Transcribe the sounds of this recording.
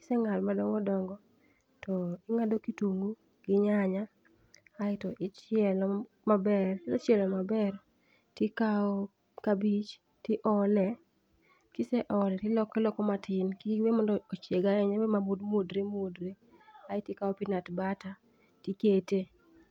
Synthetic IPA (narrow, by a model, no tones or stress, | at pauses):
kɪ̥sɛŋalmadɔŋɡɔdɔŋɡɔ | tɔɪŋadokituŋɡu | ɡ̥ɪɲaɲaː | ɪtɔʔɪt͡ʃɪɛlɔ | mabɛrtɔt͡ʃjɛlɔmabɛr | tɪkao | kabit͡ʃ | tɪʔɔlɛ | kɪsɛʔɔlɛtɪlɔkɛlɔkɔmatɪnkiwemɔndɔot͡ʃeɡaɛɲawemamodmodɾemodɾe | aɪtɪkaɔpinatbata | tikete